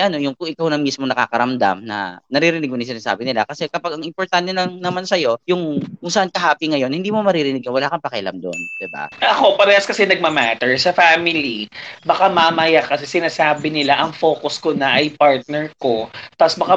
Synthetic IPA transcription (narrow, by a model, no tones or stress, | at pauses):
ʔɐno̞jʊŋkʊŋʔɪkawnɐŋmismonɐka̰ːkɐɾɐmd̪a̰mnɐ̰nɐɾiɾɪnɪɡ̚moiŋs̬ɪnaːsa̰ːbɪnɪla̰kɐsɛkɐpaɡɐŋɪmpoɾt̪ant̪ɛlɐŋnɐmansɐjo̞jʊŋkʊŋsɐʔankɐɦaːpiŋɐjo̞nhɪnd̪iːmomɐɾiɾɪnɪɡ̚kɐnwɐlaːkɐnpɐkajla̰md̪o̞̰nd̪̥ɪba̰ʔɐko̞pɐɾɛːhɐskɐsɛnɐɡ̚mɐmat̪ɛɹsɐfaːmɪlibɐkamamɐjakɐsɛsɪnaːsaːbɪnɪlaʔɐŋfoːkʊskonɐʔɐjpaɹt̪̚nɛɹko̞t̪asbɐka